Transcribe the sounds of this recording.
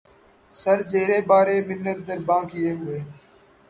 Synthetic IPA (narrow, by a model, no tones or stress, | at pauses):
səɾzeːɾeːbaːɾeːmɪnːəɾ̚d̪əɾbãːkɪjeːɦʊeː